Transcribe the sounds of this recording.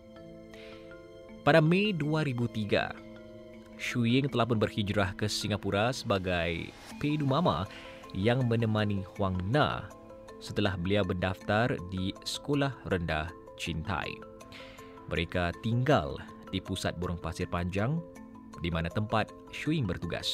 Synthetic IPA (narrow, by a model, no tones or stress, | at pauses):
padamẽduaɾibut̪iɡa̰ | ʃujɪŋt̪əlahpʊnbərhid͡ʒɾahkəsiŋapuɾasəbaɡaj | pedumãma̰ | jaŋmə̃nəmãnihwaŋnã̰ | sət̪əlahbəliawbəndaft̪ardisə̥kolahrənda̰h | t͡ʃint̪a̰j | mʔə̰ɾekat̪iŋɡa̰l | d̥ipusa̰t̪̚boɾaŋpasɪrpaɲd͡ʒaŋ | dimanat̪əmpat̪̚ | ʃuɪŋbərt̪uɡa̰s